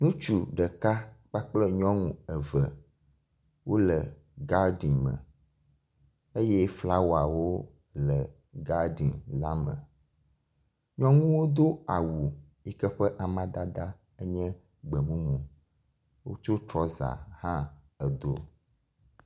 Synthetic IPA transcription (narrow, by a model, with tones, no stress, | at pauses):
nũ˦t͡ʃu˨ɖə˨ka˦k͡pa˦k͡plə˦ɲɔ̃˦ŋũ˦ə˨və˨ | wo˦lə˨ | ɡa˦ɖi˨nmə̰̃˨ | e˦jɛ˦fla˦wa˨wo˦ | lə˨ | ɡa˦ɖi˨nla˦mə̰̃˨ | ɲɔ̃˦ŋũ˦wo˦d̪o˦a˨wu˨ | i˦kɛ˦ɸɛ˦ʔa˨mã˦d̪a˦d̪a˦ | ə˦ɲɛ̃˦ | ɡ͡bə˨mũ˦mũ˨ | wo˦t͡ʃo˦t̪ɾɔ˦za̰˨hã˦ | ə˨d̪o̰˨